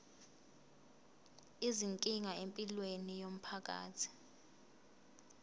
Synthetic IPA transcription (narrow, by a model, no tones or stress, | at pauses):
iziŋkʼiŋaempʼilwenijom̩pʰak̬a̰ːt͡sʰi̥